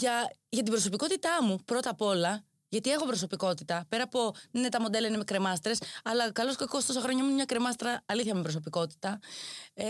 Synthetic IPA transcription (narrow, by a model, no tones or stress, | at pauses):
ʝɐʝɐt̪ibɾo̞so̞piko̞t̪it̪ɐmupɾo̞t̪ɐpo̞lɐ | ʝɐt̪ie̞xo̞pɾo̞so̞piko̞t̪it̪ɐpe̞ɾɐpo̞ninet̪ɐmo̞d̪e̞lɐinemekɾe̞mɐst̪ɾe̞sɐlɐkɐlo̞skɐkost̪osɐxɾo̞ɲɐmumɲɐkɾe̞mɐst̪ɾɐːliθçɐmepɾoso̞p̬iko̞t̪i̥t̪ɐ